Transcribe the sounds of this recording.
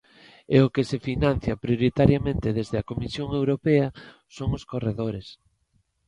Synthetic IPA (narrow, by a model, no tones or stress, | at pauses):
eʊkesefinãn̟θjɐpɾjoɾit̪aɾjamẽnt̪eðezðeɐkomisjoŋewɾopɛɐ | soŋʊskoreðoɾes